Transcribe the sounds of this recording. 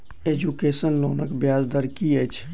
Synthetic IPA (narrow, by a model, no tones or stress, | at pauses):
eːd͡ʒukeːsənloːnəkbjaːzd̪əɾkiet͡ʃʰ